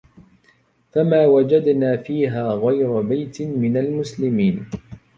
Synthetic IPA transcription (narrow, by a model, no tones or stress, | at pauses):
famaːwad͡ʒad̪naːfiːɦaːɣajɾʊbajt̪ɪmɪnalmʊslɪmiːn